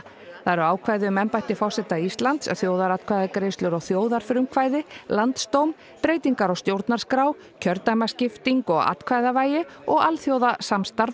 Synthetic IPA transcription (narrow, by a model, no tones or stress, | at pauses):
θaɾaːwkʰvaːjðɪʏmɛmpajht̪ɪfawsɛht̪aist̪lant̪sθjoːwðaɾat̪kʰvajðakɾejst̪lʏɾɔɣθjoːwðaɾ̥fɾʏmkʰvaːjðɪlant̪st̪owm | pɾeːjt̪iŋkaɾɔɣst̪jowɾt̪naɾ̥skɾaːw | cʰœɾt̪amascɪft̪iŋkɔɣa̰t̪kʰvaːjðavaːjɪɔɣalθjowðasamst̪aɾð